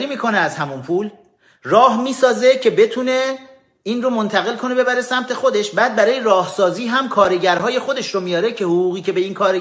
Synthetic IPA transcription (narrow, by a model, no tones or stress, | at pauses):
ɾiːmiːkʰo̞neæzhæmunpʰuːl | rɒːɦmiːsɒːzecʰe̞be̞t̪ʰune̞ | inromo̞nt̪ʰæɣe̞lkʰo̞ne̞be̞bæɾe̞sæmt̪ʰe̞xod̪e̞ʃbæːd̪̚bæɾɒːje̞ɾɒːhsɒːziːɦæmkʰɒːɾe̞ɟæɾɦɒːje̞xo̞d̪e̞ʃɾomijɒːɾe̞cʰe̞hoɣuːɣiːcʰe̞be̞iːnkʰɒːɾe